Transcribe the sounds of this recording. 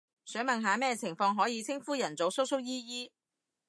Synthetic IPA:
sœː˨˥ŋmɐ˨nɦaː˨˧mɛː˥t͡sʰɪ˨˩ŋfɔː˧ŋɦɔː˨˥jiː˨˧t͡sʰɪ˥ŋfuː˥jɐ˨˩nt͡so˨˥wsʊ˥k̚sʊ˥k̚jiː˥jiː˥

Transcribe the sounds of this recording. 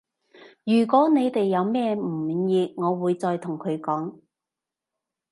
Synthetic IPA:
jyː˨˩kwɔː˨˥ne˨˧jt̪e˨jːɐ˨˧wmɛː˥m̩˨˩jiː˧ŋɔː˨˧wuː˨˧jt͡sɔː˧jt̪ʰʊ˨˩ŋkʰɵ˨˧ɥkɔː˨˥ŋ

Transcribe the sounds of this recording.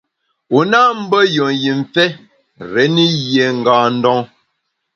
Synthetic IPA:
u˨na˦m̩˦bə˦jɔ˨ŋji˨ɱ˨fɛ˦ | ɾɛ˨˦ni˦jje˨ŋ̩˨ɡaː˨n̩˦dɔ˦ŋ

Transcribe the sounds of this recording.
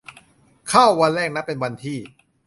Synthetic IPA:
kʰa˥˩wːa˧nɾɛː˥˩k̚na˦˥ppːe˧nwa˧nt̪ʰiː˥˩

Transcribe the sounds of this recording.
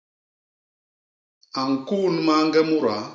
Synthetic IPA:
a˨ŋ̩˨ku˦˨nma˦ŋ˦ɡɛ˦mu˦ɾa˨˦

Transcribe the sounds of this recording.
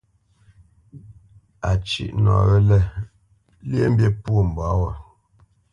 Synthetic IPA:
a˨t͡ʃḭ˦˨ʔnwa̰˨wɛ˦lɛ˦˨ | lje˦m̩˦bjɛ˦puo˦˨m̩˨ba˨˦wa˨

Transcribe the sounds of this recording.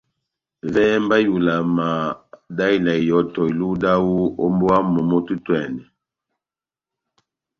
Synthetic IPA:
vɛ˦m˦ba˦ju˨la˨ma˨da˦i˦na˨i˨jɔ˨˦tɔ˨i˨lu˦da˦wu˦o˦mbɔ˦wa˦mɔ˨mo˦tu˦twɛ˨ndɛ˨

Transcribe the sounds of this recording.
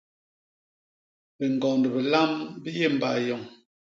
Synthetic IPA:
be˨ŋ˨ɡɔ˨ŋndə˨bə˨la˦mbi˦je˦˨m̩˨ba˨jɔ˨ŋ

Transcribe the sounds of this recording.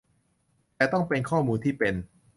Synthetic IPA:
t̪ɛː˨˩t̪ɔ˥˩ŋpe˧nkʰɔː˥˩muː˧nt̪ʰiː˥˩pe˧n

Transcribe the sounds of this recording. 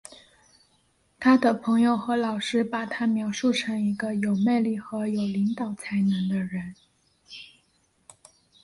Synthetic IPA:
t̪ʰa˥d̪ə˨˩pʰɤ˧˥ŋjo˥˧ʊxɤ˧˥lɑ˨˩ʊʂɻ̩˥pa˨˩t̪ʰa˥mjɑ˧˥ʊʂu˥˩ʈ͡ʂʰɤ˧˥ŋi˧˥ɡə˧jo˨˩ʊme˥˧ɪli˥˩xɤ˧˥jo˨˩ʊli˧˥ŋt̪ɑ˨˩ʊt͡sʰa˧˥ɪnə˧˥ŋd̪ə˧ɻə˧˥n

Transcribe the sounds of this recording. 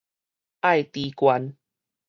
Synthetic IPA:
ʔa˥˨jt̪i˨˧kwa˧n

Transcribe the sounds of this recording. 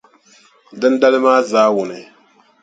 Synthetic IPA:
dɨ˦n˦da˦lɨ˦maː˦zaː˦wʊ˨nɨ˨

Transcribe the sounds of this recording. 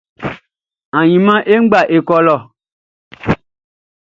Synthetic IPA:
ã˨ɲĩ˨mã˦ʔe˦ŋ̩˦ɡ͡ba˦˨ʔe˨kɔ˨lɔ˨

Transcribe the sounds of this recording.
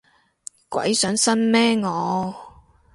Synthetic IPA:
kwɐ̰˨˥jsœː˨˥ŋsɐ˥nmɛː˥ŋɔː˨˧

